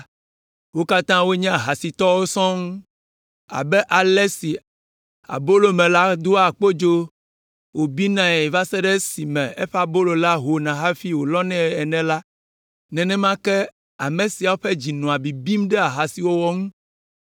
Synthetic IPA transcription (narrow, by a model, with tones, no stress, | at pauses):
wo˦ka˦t̪ã˦wo˦ɲɛ̃˦a˨ɦa˨si˨t̪ɔ˦wo˦sɔ̃˦ŋũ˦ | a̰˨bɛ˦ʔa˨lɛ˦si˨ | a̰˨bo˦lo˨mɛ̃˨la˦d̪o˦a˨k͡po˦d͡ʒo˦ | wo˨bi˦nã˨ɛ˨va˦sɛ˦ɖe˦si˨mɛ̃˨e˦ɸa˨bo˦lo˨la˦ɦo˨nã˨ɦa˦fi˦wo˨lɔ˦nɛ̃˦ɛ˨nɛ̃˨la˦ | nɛ̃˨nɛ̃˦mã˦kɛ˦ | a˨mẽ˨si˨a˨wo˦ɸɛ˦d͡ʑi˨nɔ̃˨a˨bi˨bi˦mɖɛ˦a˨ɦa˨si˨wo˦wɔ˦ŋũ˦